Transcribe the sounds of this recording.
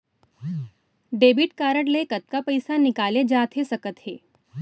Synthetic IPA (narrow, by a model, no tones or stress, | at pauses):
ɖeːbɪʈkaːɾəʈleːkət̪̚kapɐɪsanɪkaːled͡ʒaːt̪ɦesɐkət̪ɦḛː